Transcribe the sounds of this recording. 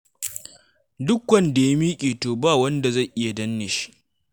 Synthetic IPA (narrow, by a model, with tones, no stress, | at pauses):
dʊ˦kwɐ˦nda˨ja˦miː˦kʲʼiː˨toː˨baː˦wɐ˦nda˨zɐ˦˨jʔɪ˦ja˨dɐ˦nːɪ˨ʃi̥˦ʔ